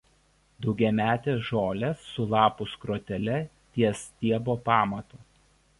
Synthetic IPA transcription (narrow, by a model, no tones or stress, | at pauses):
d̪ɒʊɡʲɛmʲæːt̪ʲeːsʒoːlʲesːʊlˠɑːpʊskɾoːt̪ʲɛlʲɛ | t̪ʲiɛst̪ʲiɛboːpɑːmɐt̪uː